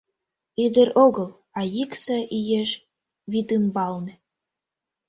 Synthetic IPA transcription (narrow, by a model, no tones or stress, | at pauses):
id̪ə̆ɾoɣə̆l | ɑjiksɑʔijeʃ | βit̪ɨmbɑlnĕ